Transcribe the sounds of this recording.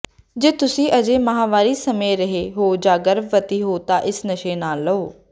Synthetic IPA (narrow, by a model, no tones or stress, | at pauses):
d͡ʒeːt̪ʊsĩːʔəd͡ʒeːməɦaːʋaːɾiːsəmẽːɾəɦeːɦoːd͡ʒaːɡəɾʋət̪iːɦoːt̪ãːʔɪsnəʃeːnaːlːəoː